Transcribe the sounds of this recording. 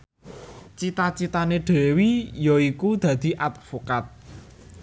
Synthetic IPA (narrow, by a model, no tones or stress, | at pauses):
t͡ʃit̪at͡ʃit̪aneɖ̥ɛ̤wijɔikud̪̥ä̤d̪̥i̤ʔat̪̚fokat̪̚